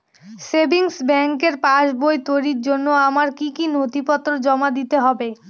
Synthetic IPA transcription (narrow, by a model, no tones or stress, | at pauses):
sebʱiŋsbɛŋkeɾpaʃbojt̪ojɾiɾd͡ʑonːoamaɾkikinot̪ipɔt̪ːɾod͡ʑɔmad̪it̪eɦɔbe